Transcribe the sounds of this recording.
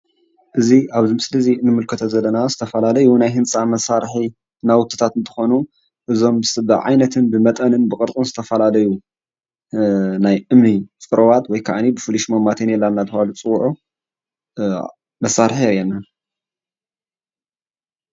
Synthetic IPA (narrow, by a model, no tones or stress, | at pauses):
ʔɨziaβzimsɨlɐzinːɨmɨlkʰɨt̪ʰɐzɐlːɐnazɨt̪ʰɐfɐlalɐjunajɦɨnt͡sʼamɐsaɾħi | nawʊt̪ʰːɨ̥t̪ʰat̪ɨnt̪ʰɨ̥xo̞nu | ʔɨzo̞msbɨʕa̰jnɐt̪ʰɨnbɨmɐt̪ʼɐnɨnbɨkʼɨɾt͡sʼunzɨt̪ʰɐfɐlalɐju | najʔɨmnit͡sʼɨɾɐwat̪wɔjkʰaʔanibɨfɨliʃmɐmːat̪ʰenjɛlːanːat̪ʰɨwalut͡sʼɨwʕu | mɐsːaɾħiɾjɛnːa